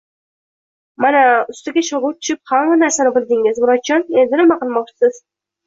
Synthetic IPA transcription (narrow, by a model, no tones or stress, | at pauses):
manaʊst̪ɪɡʲaʃɒʁʊt̪ʰʊ̥ʃɪp̚hamanaɾsanɪbɪlˠd̪ɪŋɪzmʊɾat͡ʃʰɒne̞nd̪ɪnɪmaqɨlˠmɒχ̚t͡ʃʰɪ̥sɪz̥